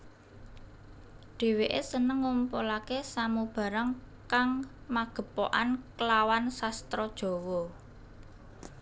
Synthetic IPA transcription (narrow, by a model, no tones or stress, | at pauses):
ɖ̪̥e̤weʔesənəŋːumpolakesamub̥ä̤ɾaŋ | kaŋmaɡ̥ə̤po̰ʔankəlawansast̪ɾɔd̥ʒ̥ɔ̤wɔ